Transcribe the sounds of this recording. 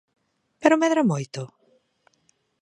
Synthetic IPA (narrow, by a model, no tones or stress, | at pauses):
peɾʊmɛðɾɐmojt̪ʊ